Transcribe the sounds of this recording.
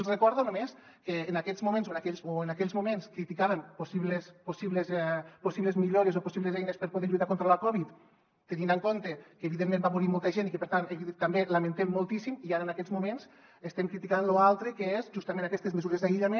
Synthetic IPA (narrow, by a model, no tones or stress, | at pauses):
zrəkɔɾðonomes | keːnakɛzmumẽnzonakɛʎsoenakɛʎzmumenskɾit̪ikaβemposiβlesposiβlezposiβlezmiʎoɾezoposiβlezɛjnespəɾpoðeɾʎuit̪akont̪ɾoəlakɔβit̪ː | enind̪aŋkont̪ekəːβiðemːẽmbamuɾimɔlˠt̪əʒenikəpeɾt̪aneβit̪ambelament̪ɛmːolˠt̪isimiaɾənakɛzmumens | est̪ɛmkɾit̪ikanloalˠt̪ɾekeezʒust̪amẽnakɛst̪ezməzuɾezðaiʎame